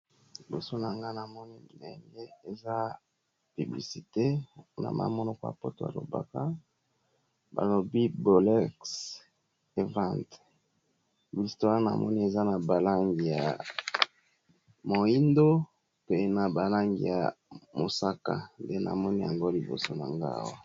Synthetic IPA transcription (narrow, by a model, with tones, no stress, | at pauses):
li˨bo˨so˦na˨ŋɡa˦na˨mɔ˦ni˦˨ḛ˨ŋɡe˦e˨za˦ | py˨bli˨si˨te˦na̰˨ma̰˦mɔ˦nɔ˦kɔ˨˦a̰˨pɔ˦to˨ja̰˨lo̰˨ba̰˦ka˦ | ba̰˨lo˨bi˦bo˨lɛ˦ks | e˨vã˦nt | bi˨sto˦a˦na̰˨mɔ̰˦ni˦e˨za˦na˨ba˨la˦ŋɡi˨ja̰˨ | mo˨i˦ndo˦ | pe˦na˨ba˨la˦ŋɡḭ˨ja̰˨mo˨sa˦ka̰˦˨nde˦na̰˨mɔ˦ni˦ja˨ŋɡo˦li˨bo̰˨so˦na̰˨ŋɡa̰˦a̰˨wa˦